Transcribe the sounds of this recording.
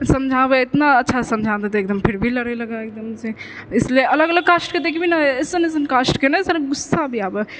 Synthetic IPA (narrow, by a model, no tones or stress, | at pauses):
səmd͡ʒʱabeɪt̪naətːʃʰasɐmd͡ʒʱad̪et̪ek̚d̪əmpʰɪɾbʱilɐɾeləɡaek̚d̪əmse | ɪslieɐləɡələɡ̚kaːsʈked̪ekʰibʱinaɪsenesənkasʈkenasənɡʊsːabʱiaːbe